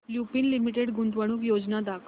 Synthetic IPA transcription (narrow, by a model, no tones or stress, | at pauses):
ljupiːnlimiʈ̬eɽɡunt̪ʋəɽ̃uːkjod͡znad̪akʰ